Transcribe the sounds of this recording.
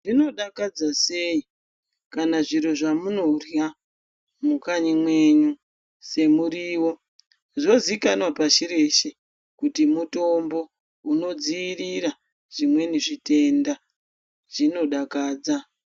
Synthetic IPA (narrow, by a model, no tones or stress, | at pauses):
ʐino̞ɗakad͡zase̞i | kanaʐiɾo̞ʐamuno̞rja | mukaɲimwe̞ɲu | se̞muɾiːwo̞ | ʐo̞zikanwapaʃiɾe̞ʃe | kutimuto̞mbo̞ | uno̞d͡ziiriɾa | ʐ̥imwe̞niʐite̞nda | ʐ̥ino̞ɗakaːd͡za